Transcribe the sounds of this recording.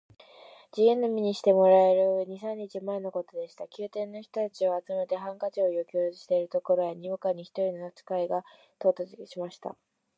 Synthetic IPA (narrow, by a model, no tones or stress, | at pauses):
d͡ʑiɯ̃nːomʲiɲ̟iɕi̥t̪e̞mo̞ɾae̞ɾɯ̟ɲ̟isãɲ̟ːit͡ɕimae̞no̞ko̞t̪o̞d̪e̞ɕi̥t̪akʲɨːt̪ẽ̞nːo̞çi̥t̪o̞t̪at͡ɕio̞at͡sɨme̞t̪e̞ɦãŋkat͡ɕo̞ːiokʲo̥ːɕi̥t̪e̞iɾɯ̟t̪o̞ko̞ɾo̞jaɲ̟iokaɲ̟içi̥t̪o̞ɾʲino̞at͡sɨ̥kaiɡa | t̪o̞ːt̪at͡sɕimaɕi̥t̪a̰